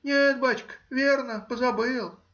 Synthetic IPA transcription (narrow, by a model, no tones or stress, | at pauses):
nʲet̪̚bat͡ɕkvʲernəpəzabɨlˠ